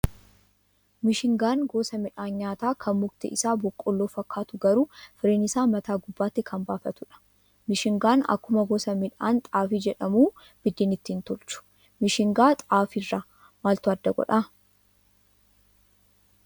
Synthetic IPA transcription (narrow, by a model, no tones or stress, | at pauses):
mɪʃɪŋɡaːnɡoːsɐmɪᶑaːnɲaːt̪aːkʰɐnmʊɡt̪ɪ̰ʔɪsaːbɔkʼːɔlːoːfɐkːaːt̪ʊɡɐɾuːfɪɾeːnɪsaːmɐt̪aːɡʊbːaːt̪ːɪkʰɐmbaːfɐt̪ʊᶑɐ̥ | mɪʃɪŋɡaːnɐ̰kːʊmɐɡoːsɐmɪᶑaːnt̪ʼaːfiːd͡ʒɛᶑɐmuː | b̥ɪd̪ːiːnɪt̪ːiːnt̪ɔlt͡ʃʊ̥ | mɪʃɪŋɡaːt̪ʼaːfɪrːaː | maːlt̪ʊɐd̪ːɐɡɔ̰ᶑa